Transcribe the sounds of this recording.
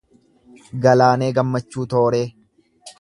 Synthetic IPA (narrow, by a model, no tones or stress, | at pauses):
ɡɐlaːne̞ːɡɐmːɐt͡ʃːuːt̪o̞ːɾe̞ː